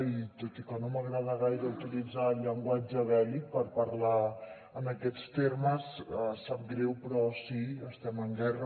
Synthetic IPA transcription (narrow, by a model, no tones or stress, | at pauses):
it̪ot̪ikənoməɣɾaðəɣ̞ajɾəuwt̪ilid͡zaːʎːəŋɡwad͡ʒəβ̞ɛlik̚pəɾpəɾla | ənəkɛt͡st̪erməsəsap̚ɡɾewpɾɔsiəst̪ɛməŋɡɛrə